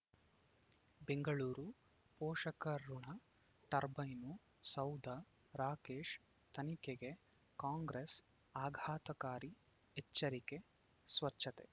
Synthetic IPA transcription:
beŋɡɐɭuːɾu | pɔːʂɐkɐɾuɳɐ | ʈɐɾbɐjnu | sɐwd̪ʱɐ | ɾaːkeːʂ | t̪ɐnikeɡe | kaːŋɡɾes | aːɡʱaːt̪ɐkaːɾi | et͡ʃːɐɾike̞ | sʋɐt͡ʃʃːɐt̪e

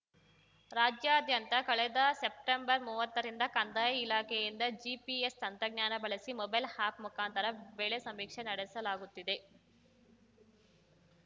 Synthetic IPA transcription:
ɾaːd͡ʒjaːɐd̪ʱjɐnt̪ɐkɐɭɛd̪ɐsep̚ʈembɐɾmuːʋɐt̪ːɐɾind̪ɐkɐnd̪aːjɐilaːkejind̪ɐd͡ʒiːpiest̪ɐnt̪ɾɐɡɲaːnɐbɐɭɐsimɔbɐjlhaːpmukaːnt̪ʰɐɾɐʋeːɭesɐmːiːkʂenɐɽesɐlaːɡut̪ːid̪e

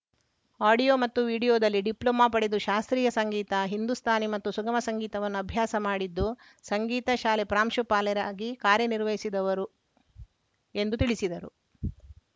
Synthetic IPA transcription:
aːɖijoːmɐt̪ːuʋiːɽijoːd̪ɐlːiɖiplɐmaːpɐɽed̪uʃaːst̪ɾiːjɐsɐŋɡiːt̪ɐɦind̪ust̪ʰaːnimɐt̪ːusuɡɐmɐsɐŋɡiːt̪ɐʋɐnːuɐbʱjaːsɐmaːɽid̪ːu | sɐŋɡiːt̪ɐʃaːlepɾaːmʃupaːlɛɾaːɡikaːɾjɐniɾʋɐjisid̪ɐʋɐɾu | e̞nd̪ut̪iɭisid̪ɐɾṵ

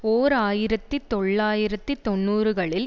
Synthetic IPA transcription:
oːɾaːjɪɾɐt̪ːɯt̪ɔɭːaːjɪɾɐt̪ːɯt̪ɔɳːuːɾɯɣɐɭɪl

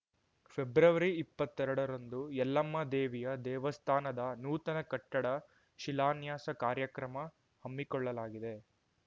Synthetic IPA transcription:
pʰebɾɐʋɐɾiːpːɐt̪ːɛɾɐɽɐɾɐnd̪ujɛlːɐmːɐd̪eːʋijɐd̪ɛːʋɐst̪ʰaːnɐd̪ɐnuːt̪ɐnɐkɐʈːɐɽɐ | ʃilaːnjaːsɐkaːɾjɐkɾɐmɐ | hɐmːikɔɭːɐlaːɡid̪e̞

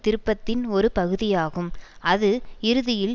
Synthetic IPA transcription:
t̪ɪɾɯpːɐt̪ːɪnɔɾɯpɐɣɯðɪjaːɣɯmɐðɯɪɾɯðɪjɪl

